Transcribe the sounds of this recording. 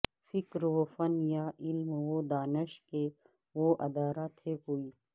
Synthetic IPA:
fikɾʋofɐnjailmwod̪aːnəʃke | woʔɐd̪aːɾat̪ʰːekoːiː

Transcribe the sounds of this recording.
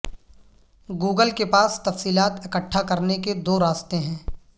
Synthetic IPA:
ɡuːɡəlkepaːst̪ɐfsiːlaːt̪ɪkəʈʰːakɐɾneked̪oːɾaːst̪ẽɦɛ̃ː

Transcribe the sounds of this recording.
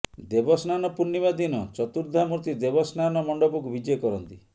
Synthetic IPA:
d̪ebɔsnanɔpunːibad̪inɔt͡ʃɔt̪uɾd̪ʱamuɾt̪id̪ebɔsnanɔmɔɳɖɔbɔk̬ubid͡ʒɔjɔkɔɾɔnt̪i

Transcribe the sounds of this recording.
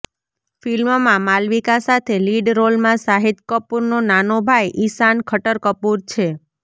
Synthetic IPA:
filmmãmalʋikasat̪ʰeliɖɾolmãsaɦit̪kəpuɾnonanobʱajʔisankʰəʈəɾkəpuɾt͡ʃʰe

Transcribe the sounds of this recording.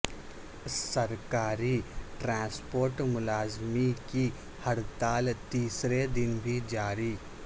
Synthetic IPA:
sɐɾkaːɾiʈɾãːspoːɾʈmʊlaːzmiki | hɐɽt̪aːlt̪iːsɾed̪ɪnbʱid͡ʒaːɾiː

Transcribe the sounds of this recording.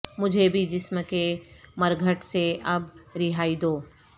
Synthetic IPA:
mʊd͡ʒʱebʱid͡ʒɪsməkemɐɾɡʱəʈseʔɐbɾɪɦaːid̪oː

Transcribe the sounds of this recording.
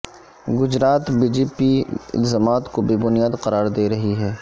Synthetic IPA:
ɡʊd͡ʒɾaːt̪biːd͡ʒeːpiɪ̰lzaːmaːt̪kobibʊnijaːd̪qɐɾaːɾd̪eːɾɐɦiɦɛː

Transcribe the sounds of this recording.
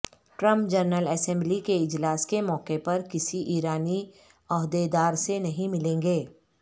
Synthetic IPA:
ʈɾə̃mp̚d͡ʒɐɾnəlɛːsɛ̃mblikeɪd͡ʒlaːskemɔːkepɐɾkɪsiʔiːɾaːni | ɔɦd̪ed̪aːɾsenɐɦĩmɪlẽːŋɡeː

